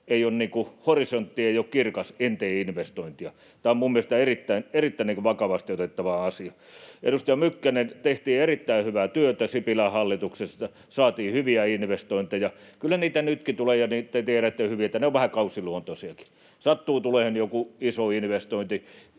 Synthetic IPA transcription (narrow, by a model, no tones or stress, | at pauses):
eionniːkuhorisont̪ːieijokkirkɑsent̪eːinʋest̪oint̪iɑ | t̪æːommumːiest̪æerit̪ːæinerit̪ːæiniŋkuʋɑkɑʋɑst̪iot̪et̪ːɑʋɑɑsiɑ | ʔḛɾust̪ɑjɑmykːænent̪eht̪iːerit̪ːæihyʋæt̪yøt̪æsipilæhɑlːit̪uksest̪ɑ | sɑːt̪iːhyʋiæinʋest̪oint̪ejɑkylːæniːt̪ænyt̪kit̪ulejɑnit̪et̪ieræet̪ːehyʋiet̪ːæneoʋʋæhækɑusiluont̪osiɑki̥ | sɑt̪ːuːt̪ulehenjokuisoinʋest̪oint̪i